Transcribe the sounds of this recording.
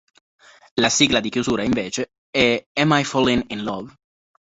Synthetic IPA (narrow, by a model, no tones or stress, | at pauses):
lasiːɡlad̪ikjuzuːɾaiɱveːt͡ʃe | ɛɛmajfɔlininlɔv